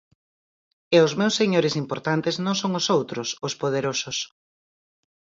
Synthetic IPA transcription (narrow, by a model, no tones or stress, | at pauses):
eʊzmewsːeɲoɾɪsimpoɾt̪ant̪ɪznõŋsoŋʊsowt̪ɾʊsʊspoð̞eɾosʊs